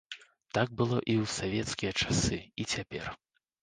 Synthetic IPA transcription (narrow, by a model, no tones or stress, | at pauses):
t̪aɡ̚bɨlˠɔ̰ʔiwsavʲɛt̪skʲijɐt͡ʂḁsɨit͡sʲapʲɛr